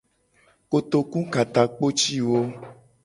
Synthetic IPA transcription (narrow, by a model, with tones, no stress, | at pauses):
ko˨t̪o˨kũ˦ka˨t̪a˨k͡po˦t͡ʃi˦wo˦